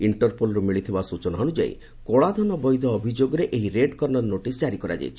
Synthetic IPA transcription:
iɳʈɔɾpʰolɔɾumiɭit̪ʰibasut͡ʃɔnaɔnud͡ʒa̰ḭ | kɔɭad̪ʱɔnɔbɔjd̪ʱɔːbʱid͡ʒoɡɔɾeʔeɦiɾeɖkɔɾnɔɾnoʈisd͡ʒaɾikɔɾa̰d͡ʒa̰jt͡ʃʰi

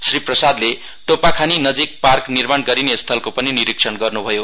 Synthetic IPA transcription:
sriprʌsad̪le | ʈopakʰaninʌd͡zik̚parknirmanɡʌɾinest̪ʰʌlkopʌniniɾiksʰʌnɡʌrnubʱʌjo

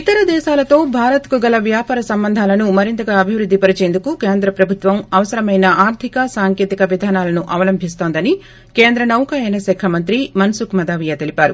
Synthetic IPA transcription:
it̪ɐɾɐd̪ɛːʃaːlɐt̪o̞ːbʱaːɾɐt̪kuɡɐlɐʋjaːpaːɾɐsɐmbɐnd̪ʱaːlɐnumɐɾint̪ɐɡaːɐbʱiʋɾud̪ʱːipɐɾit͡ʃeːnd̪ukuke̞ːnd̪ɾɐpɾɐbʱut̪ʋɐmɐʋɐsɐɾɐmɐjnɐʔaːɾt̪ʰikɐsaːŋke̞ːt̪ikɐʋid̪ʱaːnaːlɐnuʔɐʋɐlɐmbʱis̬t̪o̞ːnd̪ɐni | keːnd̪ɾɐnɐwkaːjɐnɐsɛːkʰɐmɐnt̪ɾimɐnsukmɐd̪aːʋijɐt̪e̞lipaːɾu

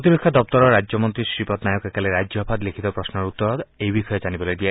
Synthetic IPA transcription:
t̪ibekʰːɔd̪ɔp̚t̪ɔɾɔɾad͡ʒɔmɔnt̪ɾisɾipɔt̪najɔkekaleɾad͡ʒɔbʱad̪likʰit̪ɔpɾɔsnɔɾut̪ːɔɾɔt̪ejbixʰɔjɔd͡ʒanibɔled̪ia

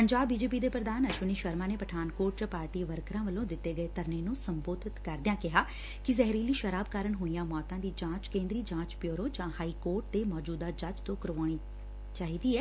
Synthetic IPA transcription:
pəɲd͡ʒaːbːiːd͡ʒeːp̬iːd̪eːpɾəd̪aːnəʃʊniːʃəɾmãːneːpəʈʰaːnkoːɾʈd͡ʒaːpaːɾʈiːʋəɾkɾãːʋəlõːd̪ɪt̪ːeːɡəeːt̪əɾneːnũːsəmboːd̪ɪt̪kəɾd̪ɪjãːkɪɦaː | kɪzɛɦɾiːliːʃəɾaːbkaːɾəɳɦoːijãːmɔːt̪ãːd̪iːd͡ʒãːt͡ʃkẽːnd̪ɾiːd͡ʒãːt͡ʃpjoːɾõːd͡ʒãːhaːiːkoːɾʈ̚d̪eːmɔːd͡ʒuːd̪aːd͡ʒət͡ʃt̪õːkəɾʋaːɽ̃iː | t͡ʃaːɦiːd̪iːɛː

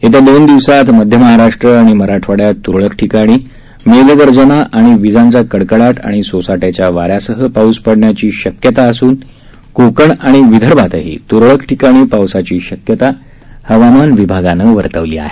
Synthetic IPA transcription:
et̪ad̪ond̪iʋsat̪məd̪ʱjəməɦaɾaʂʈɾəaɽ̃iməɾaʈʰʋaɽjat̪ːuɾɭəkʈʰikaɽ̃iː | meɡd̪əɾd͡zəñaʔaɽ̃iʋid͡zãɲt͡sakəɽkəɽaʈ̪a̰ɽ̃isosaʈat͡ɕjaʋaɾjasəɦəpauspəɽɳjat͡ɕiːɕəkjət̪aəsuːn | kokəɳaɽ̃iʋid̪ʱəɾbʱat̪əɦḭːt̪uɾɭəkʈʰikaɽ̃iːpawsat͡ɕiːɕəkjət̪a | həʋamanʋibʱaɡanəːʋəɾt̪əʋlḭːa̰ɦe

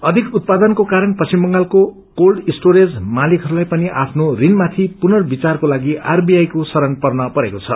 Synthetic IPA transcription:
ʌd̪ʱikut̪̚pad̪ʌnkokaɾʌnpʌsimbʌŋɡalko | kolɖisʈoɾed͡zmalikʰɦʌɾulajpʌniʔa̰pʰnorinmat̪ʰipunʌrbit͡sarkolaɡiʔarbiajkosʌɾʌnpʌrnʌpʌɾekot͡sʰʌ̰

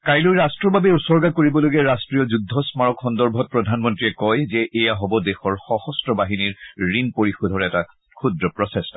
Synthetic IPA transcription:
kajlujɹastɹɔbabɛusɔɹɡakoɹibɔloɡɛɹastɹijɔzudʱːɔsmaɹɔkxɔndɔɹbʱɔt̚pɹɔdʱanmɔntɹiɛkɔjzɛʔɛjaɦɔbɔdɛxɔɹxɔxɔstɹɔbaɦiniɹɹinpoɹixudʱɔɹɛta | kʰudɹɔpɹɔsɛstɔ

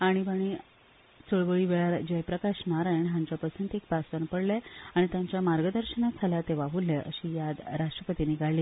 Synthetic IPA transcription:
aɽ̃ibəɽ̃i | t͡soɭʋəɭiːʋeɭaɾd͡ʑəjpɾəkaɕnaɾajɳɦaɲt͡ɕjapəsunt̪ek̚basʋənpəɽleaɽ̃it̪jãɲt͡ɕjamaɾɡəd̪əɾɕənad͡zʰʱalat̪eʋaɦulːeʔəɕiːjad̪ɾaʂʈɾəpət̪iniɡaɭːiː

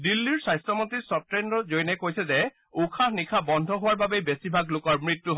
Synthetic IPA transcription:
dilːiɹsajstɹɔmontisɔtɹenɹɔzojnɛkojsɛzɛ | ukʰahnikʰabɔnd̪ʱɔɦʊwaɹbabebesibʱaɡlokɔɹmɹitːuɦɔ

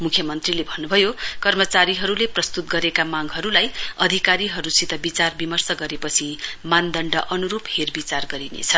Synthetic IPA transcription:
mukʰjʌmʌnt̪rilebʱʌnːubʱʌjokʌrmʌt͡saɾiɦʌɾuleprʌst̪ut̪ɡʌɾekamaɡɦʌɾulajʌd̪ʱikaɾiɦʌɾusit̪ʌbit͡sarbimʌrsʌɡʌɾepʌt͡sʰimand̪ʌɳɖʌʔʌnuɾupherbit͡sarɡʌɾinḛt͡sʰʌ

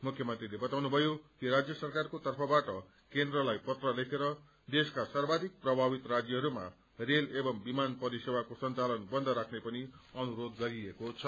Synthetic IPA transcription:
mukʰjʌmʌnt̪rilebʌt̪awnubʱʌjokiɾad͡zjʌsʌrkarkot̪ʌrpʰʌbaʈʌ | kend̪rʌlajpʌt̪rʌlekʰeɾʌ | d̪eskasarbad̪ik̚prʌbʱabit̪rad͡zjʌɦʌɾuma̰ | relebʌmbimanpʌɾisewakosʌnt͡salʌnbʌnd̪ʱʌɾakʰnepʌniʌnuɾod̪ɡʌɾiekot͡sʰʌ

